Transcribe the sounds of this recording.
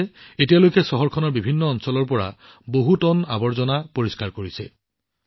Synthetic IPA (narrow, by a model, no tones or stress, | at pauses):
etijalojkɛsɔɦɔɹkʰɔnɔɹbibʱinːɔːnsɔlɔɹpɔɹa̰ | boɦutɔna̰bɔɹzɔnapoɹiskaɹkoɹisɛ